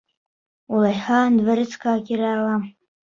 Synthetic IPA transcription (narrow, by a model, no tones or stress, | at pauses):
ulajħandvaɾɨt͡sʰkʰʼaːkʲiɾaːlam